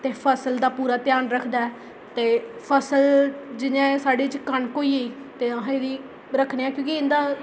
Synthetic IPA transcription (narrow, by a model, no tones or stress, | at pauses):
t̪eːpʰəsəld̪aːpuːɾaːt̪ɪjaːnɾəkʰd̪aːɛː | t̪eːpʰəsəld͡ʒɪnɛ̃ːsaːɖeːt͡ʃkəɳkoːiːeiː | t̪eːaɦed̪iː | ɾəkʰneːãːkjõːkiɪnd̪aː